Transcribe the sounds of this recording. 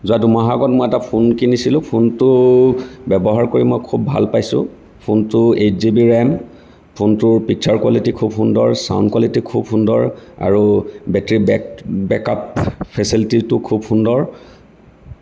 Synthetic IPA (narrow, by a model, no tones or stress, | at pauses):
zuadumaɦaɡɔt̚mɔjɛtapʰunkinisilʊ̃pʰuntʊ | bɛbɔɦaɹkoɹimɔjkʰubːʱa̰lpajsʊ̰̃ | pʰuntʊet͡ʃzibiɹɛm | pʰuntʊɹpik̚t͡ʃʰaɹkwalitikʰub̚pʰundɔɹsa̰wnkwalitikʰub̚pʰundɔɹa̰ɹubɛtɹibɛbɛkappʰɛsilititʊkʰub̚pʰundɔɹ